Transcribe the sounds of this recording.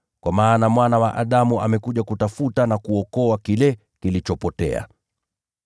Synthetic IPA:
kwamaːnamwanawaʔaɗamuʔamɛkuʄakutafutanakuɔkɔakilɛ | kilit͡ʃɔpɔtɛ̰a̰

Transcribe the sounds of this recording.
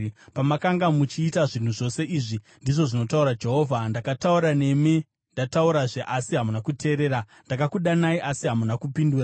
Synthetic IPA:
pamakaŋɡamut͡ʃiːtaʐin̤uʐo̞se̞ʔiːʐi | ndiʐo̞ʐino̞tauɾad͡ʒe̞ɦo̞vʱandakatauɾane̞mi | ndatauɾaʐeʔasiɦamunakutʰe̞ːɾe̞ːɾa | ndakakuɗanaiʔasiɦamunakupinduːra

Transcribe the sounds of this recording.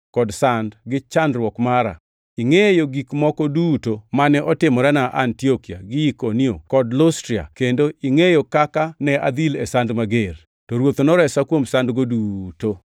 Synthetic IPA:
kɔdsandɡɪt͡ʃandɾwɔkmaɾa̰ | iŋejoɡikmɔkɔdutomanɛʔɔtɪmɔɾɛnaʔa̰ntiokia̰ɡiikonio̰kɔdlɔstɾia̰kendoʔiŋejokakanɛa̰d̪ilɛsandmaɡer | tɔɾwot̪onɔɾɛsakwomsandɡoduto

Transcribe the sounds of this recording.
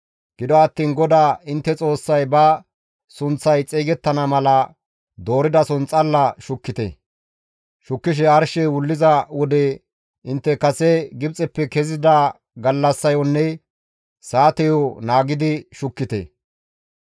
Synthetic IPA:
ɡ̥ɪd̪ɔɐt̪ːiːnɡɔd̪aːɪnt̪ːɛt͡sʼo̞ːsːɐjbɐ | sʊnt͡sːɐjt͡sʼiːɡɛt̪ːɐnɐmɐlɐ | d̪o̞ːɾɪd̪ɐsʊnt͡sʼːɐlːɐʃʊkːɪt̪ɛ̰ | ʃʊkːɪʃ̬ɛɐɾʃɛwʊlːɪzɐwɔd̪ɛ | ɪnt̪ːɛkɐsɛɡɪbt͡sʼɛpːɛkɛzɪd̪ɐ | ɡɐlːɐsːɐjɔnːɛ | saːt̪ɛjɔnaːɡɪd̪ɪʃʊkːɪt̪ɛ̰

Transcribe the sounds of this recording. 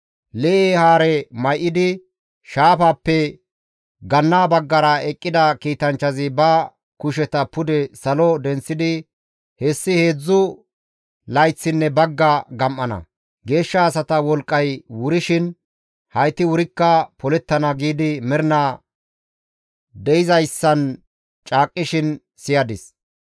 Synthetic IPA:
lɛʔehaːɾɛmɐjʔɪd̪ɪ | ʃaːfaːpːɛ | ɡɐnːaːbɐɡːɐɾɐɛkʼːɪd̪ɐkiːt̪ɐnt͡ʃːɐzɪbɐ | kʊʃɛt̪ɐpʊd̪ɛsɐlɔd̪ɛnt͡sːɪd̪ɪ | hɛsːɪhe̞ːd͡zːʊ | lɐjt͡sːɪnːɛbɐɡːɐɡɐmʔːɐnɐ̰ | ɡe̞ːʃːɐːsɐt̪ɐwɔlkʼːɐjwʊɾɪʃɪn | hɐjt̪ɪwʊɾɪkːɐpɔlɛt̪ːɐnɐɡiːd̪ɪmɛɾɪna | d̪ɛɪzɐjsːɐn | t͡ʃʼaːkʼːɪʃɪn | sɪjɐd̪ɪs

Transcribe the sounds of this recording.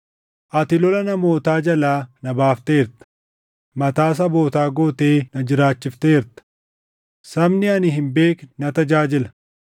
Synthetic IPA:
ʔɐt̪ɪlɔlɐnɐmo̞ːt̪aːd͡ʒɐlaːnɐbaːft̪e̞ːɾt̪ɐ̥ | mɐt̪aːs̬ɐbo̞ːt̪aːɡoːt̪eːnɐd͡ʒɪɾaːt͡ʃːɪft̪eːɾt̪ɐ̥ | sɐmnɪɐnɪɦɪmbe̞ːknɐt̪ɐd͡ʒaːd͡ʒɪlɐ

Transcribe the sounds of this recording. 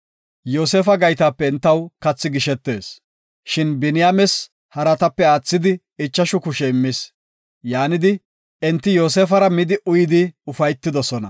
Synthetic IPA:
jo̞ːseːfɐɡɐjt̪aːpːɛɪnt̪ːɐwkɐt͡sːɪɡɪʃɛt̪ːe̞ːs | ʃɪnbɪnɪjaːmɛs | hɐɾɐt̪ɐpːɛaːt͡sːɪd̪ɪ | ɪt͡ʃːɐʃʊkʊʃɛɪmːɪs | jaːnɪd̪ɪ | ɛnt̪ːɪjo̞ːseːfɐɾɐmɪd̪ɪʔʊjɪd̪ɪʊfɐjt̪ːɪd̪ɔsɔnɐ̰

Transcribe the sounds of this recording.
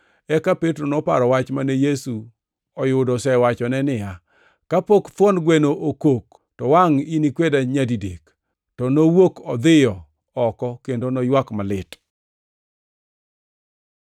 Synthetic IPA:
ɛkapetɾonɔpaɾɔwat͡ʃmanɛjesu | ɔjʊdɔsɛwat͡ʃɔnɛnɪja | kapokt̪wɔnɡwenoʔokok̚ | tɔwaŋinikwedaɲadidek | tɔnowokɔd̪ɪjɔ | ɔkɔkendonɔjwakmalɪt

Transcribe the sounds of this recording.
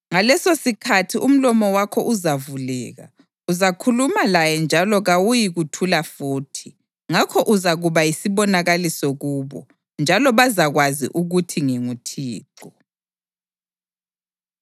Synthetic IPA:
ŋalɛsosikʰatʰiʔum̩lɔmɔwakʰɔʔuzavulɛ̰ːɣa̰ | uzakʰulumalajɛnd͡ʒʱalɔɣawujiɣutʰulafuːtʰi | ŋakʰɔʔuzaɣuβajisiβɔnaɣalisoɣuːβɔ̰ | nd͡ʒʱalɔβazaɣwazḭʔuɣutʰiŋiŋutʰiːǁɔ

